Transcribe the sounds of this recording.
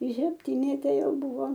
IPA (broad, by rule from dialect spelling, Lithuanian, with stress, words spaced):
ɪ sʲɛpʲˈtʲɪnʲɛtʲɛ ˈjɛʊ ˈbʊʋoː